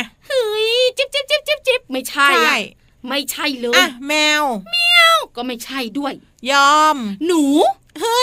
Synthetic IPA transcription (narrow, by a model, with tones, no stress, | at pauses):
hɯː˧˦jt͡ɕi˧˦˥p̚t͡ɕi˦˥p̚t͡ɕi˦˥p̚t͡ɕi˦˥p̚t͡ɕi˦˥p̚ma˥˩jt͡ɕʰa˥˩jj | ma˥˩jt͡ɕʰa˥˩jlɤː˧ʔa˧mɛː˧wmɛː˧wkɔː˥˩ma˥˩jt͡ɕʰa˥˩jdu˥˩əj | jɔː˧mnuː˩˦ | ɯː˧